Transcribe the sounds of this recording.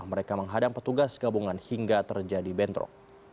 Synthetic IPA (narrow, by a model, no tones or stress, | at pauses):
məɾekaməŋɦadaŋpərt̪uɡasɡabuŋanhiŋɡat̪ərd͡ʒadibɛnt̪ɾɔ̰k̚